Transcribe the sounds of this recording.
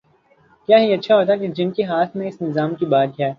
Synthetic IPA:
kjaːɦiɐtːʃʰaɦoːt̪̬aked͡ʒɪnkeɦaːt̪ʰmẽɪsnɪzaːmkibaːd̪ɦɛː

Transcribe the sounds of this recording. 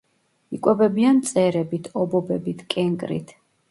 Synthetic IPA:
ikʼwɛbɛbiant̪sʼɛɾɛbit̪ʰɔbɔbɛbit̪ʰkʼɛŋɡʼɾḭt̪ʰ

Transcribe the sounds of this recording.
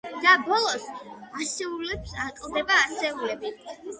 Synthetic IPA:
d̪̥abɔlˠɔsasɛulɛpsakʼlˠd̪ɛbaːsɛulɛbi

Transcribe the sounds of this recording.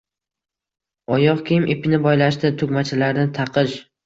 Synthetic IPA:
ɒjɒqkʲʰimʔepʰʲɪnɪbɒjlaʃt̪ɪt̪ʰʊɡmat͡ʃʰɪlaɾnɪt̪ʰɑqʰɨʃ

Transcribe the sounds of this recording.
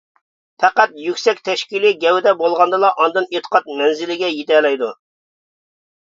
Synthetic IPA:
pʰɛqæt̪jykʲsɛkʲt̪ʰɛʃkʲiliɡʲɛwɪd̪ɛbolˠʁɑnd̪ɨlˠɑʔɑnd̪ɨnet̪ʰə̥qʰɑt̪̚mɛnzɪlɪɡʲɛjet̪ʰɛlɛjd̪u

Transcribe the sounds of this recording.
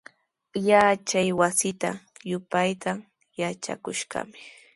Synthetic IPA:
jat͡ʃajwasɪt̪a̰jʊpajt̪a | jat͡ʃa̰kʊʃɢɑ̰mɪ̥

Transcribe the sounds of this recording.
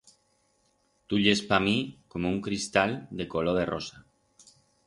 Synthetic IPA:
t̪uʎespamĩkomouŋkɾist̪ald̪ekoloð̞erosa

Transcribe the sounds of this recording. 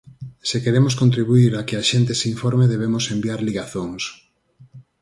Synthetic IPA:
sekeɾemʊskõnt̪ɾiβuiɾakɪaʃent̪eseiɱfɔɾmeðeβ̞emʊsembiaɾliɣaθoŋs

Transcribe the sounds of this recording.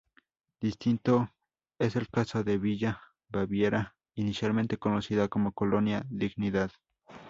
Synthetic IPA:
d̪̥ist̪int̪o | eselkasoðeβiʝa | baβjeɾa | inisjalment̪ekonosiðakomokolonjaðiɡniðað

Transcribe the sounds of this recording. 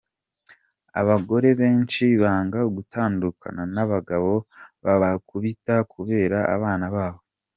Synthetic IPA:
a̰βaɡo̞ɾe̞βe̞ːnt͡ʃiβaːŋɡaoɡutʰaːndukʰa̰nanaβaɡaβo̞βaakuβitakʰuβe̞ːɾaa̰βaːnaβaːβo̞

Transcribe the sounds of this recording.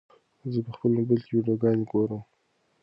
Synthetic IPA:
zəpəxpəlobelkewiɖjoɡɑneɡoɾəm

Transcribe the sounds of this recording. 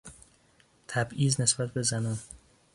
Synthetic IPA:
t̪ʰæbiːzne̞sbæt̪̚ʰbe̞zænɒn

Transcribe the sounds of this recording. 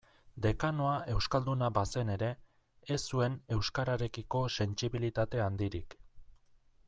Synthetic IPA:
d̪e̞kano̞aʔe̞wskald̪unabase̞ne̞ɾe̞ː | sue̞ne̞wskaɾaɾe̞kiko̞se̞nt͡ʃiβilit̪at̪e̞and̪iɾḭk

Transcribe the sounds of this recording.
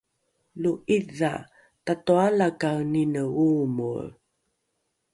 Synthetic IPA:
luʔiða̰ | tatualakawninəumṵɾ

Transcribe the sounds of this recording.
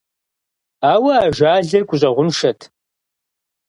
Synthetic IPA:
aːwɐaːʒʷaːɮɐrkʷʼʊɕʼɐʁʷʊnʂɐtʰ

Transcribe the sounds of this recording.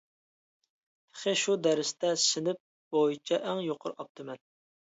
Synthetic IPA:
χeʃud̪æɾɪst̪ʰɛsɪnɪp̚ | b̥ojit͡ʃʰɛʔæŋjoqʰʊɾɑp̚t̪ʰɨmɛn

